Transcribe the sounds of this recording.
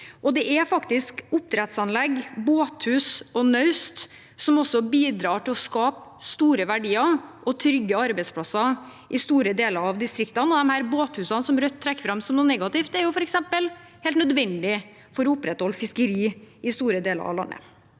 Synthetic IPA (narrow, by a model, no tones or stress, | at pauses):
ʔɔd̪ɛʔɛfɑkt̪ɪskʊp̚t̪ʰɾɛt̪sɑnlɛɡboːt̪hʉːsɔnœʉst̪ | sɔmɔsːɔbiːd̪ɾɑːʈɪlɔskɑːpst̪uːɾəʋæɖiːɑʔɔt̪ʰɾʏɡːəɑɾbɛɪt̪spʰlɑsːɑ | ʔɪst̪uːɾəd̪eːləɾɑʋd̪ɪst̪ɾɪkt̪ənɔd̪ɛmhæːɾboːt̪hʉːsɑnsɔmɾœt̪ʰːɾɛkːfɾɑmsɔmnuːnɛɡɑt̪ɪft̪æɾjʊfɔɾɛksɛmpəlheːlt̪nœd̪ʋɛnd̪ɪ | fɔɾɔʊpɾɛt̪hɔlːfɪskəɾiːɪst̪uːɾəd̪eːlə̰ɾɑ̰ʋlɑ̰nːə̰